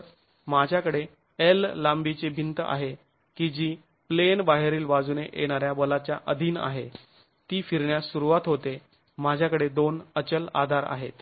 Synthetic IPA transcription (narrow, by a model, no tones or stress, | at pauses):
mad͡ʑʱjakəɽe | elːambit͡sebʱint̪a̰ɦe | kid͡ʑiː | plenbaɦeɾiːlʋad͡zuneʔḛɽ̃aɾjabəlat͡ɕjaʔəd̪ʱiːna̰ɦe | t̪iːfiɾɳjasuɾuʋat̪ɦot̪e | mad͡ʑʱjakəɽed̪onət͡ɕəla̰d̪ʱaɾa̰ɦet̪